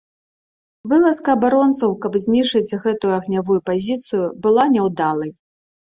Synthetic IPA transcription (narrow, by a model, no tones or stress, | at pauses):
vɨlˠɐskɐːbaɾɔnt̪sɐwkɐbzʲnʲiʂɨd͡zʲɣɛt̪ujuɐɣnʲavujupazʲit̪sɨjubɨlˠanʲɛwd̪alˠɐj